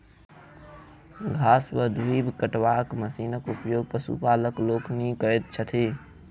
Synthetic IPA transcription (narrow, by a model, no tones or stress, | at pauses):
ɡʱaːsʋəɦd̪ʱuiːbkəʈwaːkməsiːnəkʊpjoːɡ̚pəsṵpaːləkloːknikəɾet̪̚t͡ʃʰət̪ʰeː